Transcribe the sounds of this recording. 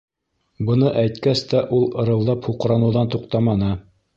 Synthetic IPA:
bɤ̆nɤʔæjt̪kæst̪æʔulˠɤ̆ɾɤ̆wlˠɑphuqɾɑnɤ̆wðɑnt̪uq̚t̪ɑmɑnɤ

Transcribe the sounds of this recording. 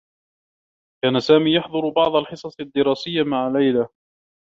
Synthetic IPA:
kaːnasaːmiːjɑħd̪ˤʊɾbɑʕd̪ˤalħɨsˤɑsˤad̪ːɪɾɑːsɪjːamaʕalajla

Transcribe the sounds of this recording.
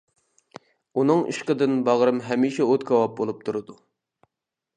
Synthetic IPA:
unɨŋḭʃqəd̪ɨnbɑʁɾɨmɦɛmiːʃɛot̪kʰɑwɑp̚bolˠup̚t̪ʰuɾɨd̪u

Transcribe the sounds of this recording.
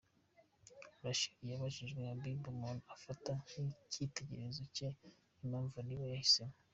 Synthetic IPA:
uɾaʃi̥ijaβaʒiʒɡweabibumonafataŋicʰite̞ɟe̞̰ɾe̞zoce | imaːɱvuniβajahisemo

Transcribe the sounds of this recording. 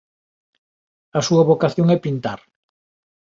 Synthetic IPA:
ɐsuɐβokaθjoŋɛpint̪aɾ

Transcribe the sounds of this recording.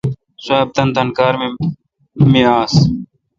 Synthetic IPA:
saːb̚t̪ənt̪ənkaːɾme | mẽːaːs

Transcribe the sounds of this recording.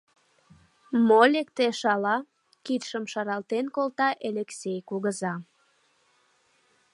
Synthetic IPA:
molekt̪eʃɑlɑ | kit̪ʃəmʃɑɾɑlt̪enkolt̪ɑʔeleksʲejkuɣəzɑ

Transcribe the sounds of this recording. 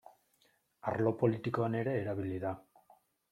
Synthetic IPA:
a̰ɾlo̞po̞lit̪iko̞ane̞ɾe̞ːɾaβ̞iliða

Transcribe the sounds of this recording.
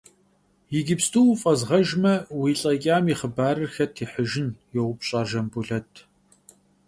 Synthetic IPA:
jɪɡʲɪpstʰʼuwfʼɐzʁɐʒmɐwiːɬʼɐkʲʼaːmiχəbaːɾɨrxɐtʰiːħəʒɪnjɛwʊpɕʼaːrʒɐmbuɮɐtʰ

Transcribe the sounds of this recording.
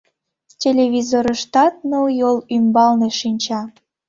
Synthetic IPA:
tʲelʲeβʲizoɾəʃt̪ɑt̪̚nojolymbɑlneʃinʲt͡ɕɑ

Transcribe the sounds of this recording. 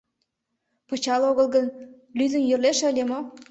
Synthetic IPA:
pə̆t͡ɕɑloɣəlˠɣən | lyzə̆njø̆rleʃeəlʲemo

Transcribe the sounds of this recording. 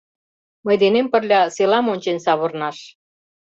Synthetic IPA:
məjd̪enempə̆rlʲɑselɑmonʲt͡ɕensɑβornɑʃ

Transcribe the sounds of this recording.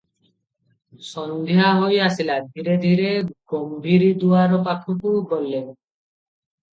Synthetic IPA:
sɔnd̪ʱeɦaɦojasilad̪ʱiɾed̪ʱiɾeɡombʱiɾid̪uaɾopakʰukubolːen

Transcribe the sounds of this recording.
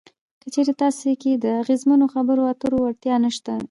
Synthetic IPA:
kət͡ʃeɾet̪ɑseked̪əaɣezmanoxabəɾoat̪əɾowaɾt̪jɑnəʃt̪a

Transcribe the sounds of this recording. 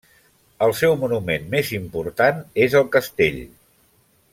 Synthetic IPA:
əlˠsɛwmunumenmezimpuɾt̪anezəlˠkəst̪ḛʎ

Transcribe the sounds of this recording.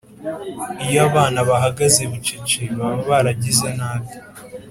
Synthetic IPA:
ijoaβaːnaβaɦaɡazeβut͡ʃit͡ʃeβaβoβaɾaɟizanaːβjo̥

